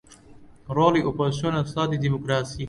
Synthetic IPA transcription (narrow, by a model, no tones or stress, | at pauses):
ɾoːliʔopoziʃonɐsaːd̪id̪imokɾaːsiː